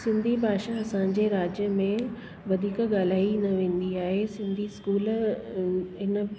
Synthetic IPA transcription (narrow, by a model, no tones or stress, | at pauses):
sɪ̃nd̪ʱibʱaːʃaɐsãd͡ʑeːɾaːd͡ʑjəmẽ | ʋɐd̪ʱiːkɠaːl̤aːinɐʋẽːn̆d̪iaːɦesɪ̃nd̪ʱiskuːl | ɦɪnə